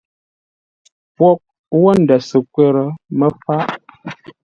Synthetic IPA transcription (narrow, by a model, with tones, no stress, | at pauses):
pwɔ˦k̚ | wɔ˦n̩˨də˨sə˨kwɛ˦ɾə˨mə˦fa˦ʔ